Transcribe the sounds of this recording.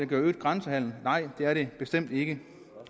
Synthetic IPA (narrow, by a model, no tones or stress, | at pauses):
æɡ̥øɐøːd̥̚ɡ̥ʁansəhæl̰n̩nɑ̈ɪ̰d̥e̝æɐɾe̝b̥e̝sd̥em̰d̥e̝ɡ̥ə